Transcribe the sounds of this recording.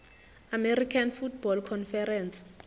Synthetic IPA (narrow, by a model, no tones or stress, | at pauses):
ameɾikʰanfut̚ʰbɔlkʰɔnfɛɾɛns